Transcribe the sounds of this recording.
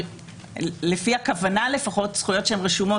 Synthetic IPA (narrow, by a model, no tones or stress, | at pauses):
le̞fiakavanale̞faχo̞tsχujotʃehemʁeʃumo